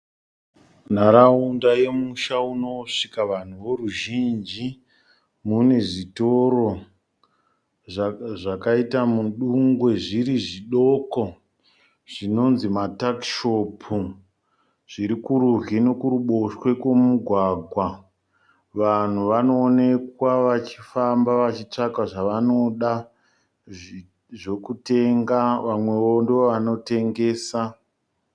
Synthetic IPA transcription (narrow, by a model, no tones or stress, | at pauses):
n̤aɾaundaje̞muʃauno̞ʂikaʋan̤uʋoɾuʒind͡ʒi | mune̞ʐitoɾo | ʐakaitamuɗuŋɡwe̞ʐiɾiʐiɗo̞ko | ʐ̥ino̞nzimatakʃopʰu | ʐ̥iɾikuɾuɦinokuɾuɓo̞ʃwe̞kwemuɡʱwaɡʱwa | ʋan̤uʋano̞ːne̞kwaʋat͡ʃifambaʋat͡ʃit͡ʂakaʐaʋano̞ɗa | ʐo̞kute̞ŋɡaʋamwe̞ʋondeoʋano̞te̞ŋɡe̞ːsa